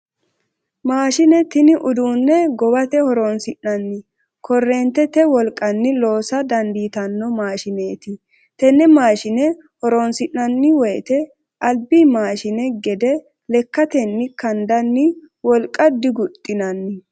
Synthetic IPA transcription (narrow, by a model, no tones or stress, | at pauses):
maːʃɪnɛt̪ɪnɪʔʊd̪uːnːɛɡɔbɐt̪ɛhɔɾoːnsɪʔːɐnːɪ | kʰɔrːeːnt̪ɛt̪ɛwɔlkʼːɐnːɪlo̞ːsɐd̪ɐnd̪iːt̪ɐnːɔmaːʃɪneːt̪ɪ | t̪ɛnːɛmaːʃɪnɛ | hɔɾonsɪʔːɐnːɪwɔjɛt̪ɛ | ʔɐlbimaːʃɪnɛɡɛd̪ɛ | lɛkːɐt̪ɛnːɪkɐnd̪ɐnːɪ | wɔlkʼːɐd̪ɪɡʊt̪ʼːɪnɐnːɪ